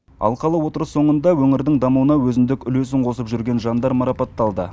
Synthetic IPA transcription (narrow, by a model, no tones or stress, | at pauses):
ɑ̰lˠqɑlˠəwo̞t̪əɾəsːo̞ɴənd̪ɑwɵŋɪɾd̪ɪŋd̪ɑmuwənɑwɵzɪnd̪ɪkʲʏles̬ɪɴqʰo̞səpʒʏɾɡʲe̞nʒɑnd̪ɑɾmɑɾɑpɑt̪ːɑlˠd̪ə̰